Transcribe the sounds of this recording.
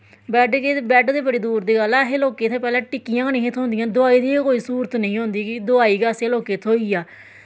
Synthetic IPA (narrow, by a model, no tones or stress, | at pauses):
bɛːʈkeːbɛːʈd̪eːbəɽeːd̪uːɾd̪iːɡəlɛːɦeːloːkeːt̪ʰeːpɛːlɛ̃ːʈɪkːijãːɡənĩːeːt̪ʰõːnd̪ɪjãːd̪ʊaːiːd̪iːkoːiːsuːɾət̪nəĩːɦõːnd̪iːkɪd̪ʊaːiːɡaːseːloːkeːt̪ʰoːiːaː